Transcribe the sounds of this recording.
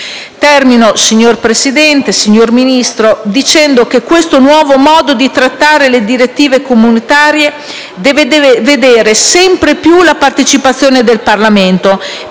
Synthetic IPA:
t̪ɛrminosiɲːorpɾesid̪ɛnt̪esiɲːorminist̪ɾod̪it͡ʃɛnd̪ok̟ekːwest̪onwɔːvomɔːd̪od̪it̪ɾat̪ːaːɾeled̪iɾet̪ːiːvekomunit̪aːɾje | d̪ɛved̪ved̪eːɾesɛmpɾepjulapart̪et͡ʃipat̪sːjoːned̪elparlament̪o

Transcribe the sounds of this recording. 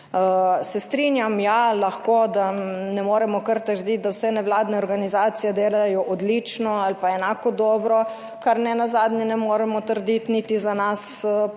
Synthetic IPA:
əsɛst̪ɾinjamjalaxkoːd̪anɛmoːɾɛmɔkəɾt̪əɾd̪it̪̚d̪awsɛnɛwlaːd̪nɛɔɾɡanizaːt̪sijɛd̪eːlajɔʔɔd̪lit͡ʃnɔalpaɛnaːkɔd̪ɔːbɾɔ | kaɾnɛnazaːd̪nɛnɛmoːɾɛmɔt̪əɾd̪it̪nit̪izanas

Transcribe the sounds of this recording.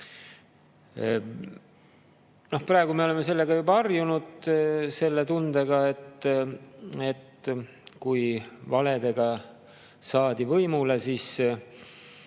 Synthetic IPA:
no̞hprɑˑe̞ɡ̥umeo̞le̞mːe̞se̞lːe̞ɡ̥ɑjubɑɑrjunud̪̥se̞lːe̞t̪und̪̥eɡ̥ɑe̞t̪ː | e̞t̪ | kujvɑle̞d̪e̞ɡ̥ɑ | sɑːd̪̥ivɤjmulesis

